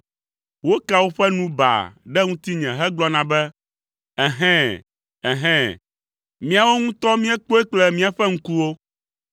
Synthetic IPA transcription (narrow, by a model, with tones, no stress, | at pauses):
wo˦ka˨wo˦ɸɛ˦nũ˦ba̰˨ɖɛ˦ŋũ˦t̪i˦ɲɛ̃˨ɦɛ˦ɡ͡blɔ˦nã˦bɛ˦ | ɛ˨ɦɛ̃˦ | ɛ˨ɦɛ̃˦˨ | mĩ˦a˨wo˦ŋũ˦t̪ɔ˦mĩ˦ɛ˦k͡po˦e˦k͡plɛ˦mĩ˦a˨ɸɛ˦ŋ̩̃˦ku˦wo˦